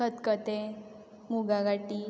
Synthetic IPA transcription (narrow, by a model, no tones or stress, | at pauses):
ət̪kət̪e | muɡaɡaʈi